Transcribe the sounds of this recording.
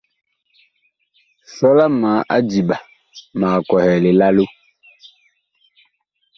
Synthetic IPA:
sɔ˦la˦maː˨˦ʔa̰˦d͡ʒi˨ɓa˨ | maː˨kɔ˨hɛː˨le˨la˦lo˦

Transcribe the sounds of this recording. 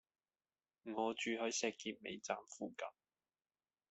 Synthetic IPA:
ŋɔː˨˧t͡ʃyː˨˧hɵ˨˥ɥsɛː˨˧kːiː˧t̚mḛ˨˧jt͡saː˨mfuː˨˧kɐ̰˨˥m

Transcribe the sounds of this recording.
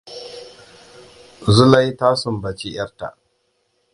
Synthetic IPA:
zʊ˦la˦jtaː˦sʊ˨mbɐ˨t͡ʃi˦j̰ɐ˦rta̰˨ʔ

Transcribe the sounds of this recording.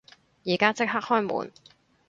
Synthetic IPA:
jiː˨˩kaː˥t͡sɪ˥k̚ha˥k̚hɔː˥jmṵː˨˩n

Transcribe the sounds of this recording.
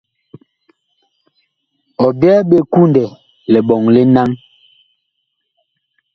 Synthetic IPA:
ɔ˨bɛː˦ɓe˦˨ku˦ndɛ˨ | lɛ˨ɓɔ˨ŋle˦na˦ŋ

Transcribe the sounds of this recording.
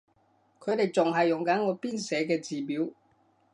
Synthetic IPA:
kʰɵ˨˧ɥt̪e˨˩jt͡sʊ˨ŋɦɐ˨jːʊ˨˩ŋkɐ˨˥nŋɔː˨˧˥piː˥nsɛː˨˧k̬ɛː˧t͡siː˨piː˨˥w

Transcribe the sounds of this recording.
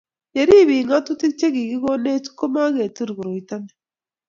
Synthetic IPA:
je˨ɾi˦βi˨ŋɡa˦tu˦ti˦t͡ʃe˦ɣi˨ɡi˦ɣo˦ne˦tu̥˦ko˦ma˦ɣe˨tu˦ɾi˨ɣu˨ɾo˨i˨ta˦ne̥

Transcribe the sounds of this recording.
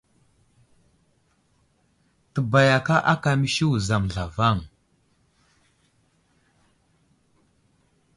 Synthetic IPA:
tə˨ba˨ja˨ka˦ʔa˦ka˨mi˨ʃi˦u˨za˨mɮa˨va˦˨ŋ

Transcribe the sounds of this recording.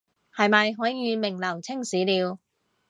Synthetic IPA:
hɐ˨˧jmɐ˨jɦɔː˨˥jiː˨˧mɪ˨˩ŋlɐ˨˩wt͡sʰɪ˥ŋsiː˨˥liː˨˧w

